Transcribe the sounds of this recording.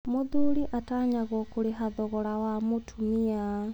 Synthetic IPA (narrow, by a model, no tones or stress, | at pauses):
moðuɾiʔataɲaɣɔkoɾeɦaðɔɣɔɾawamotʰumia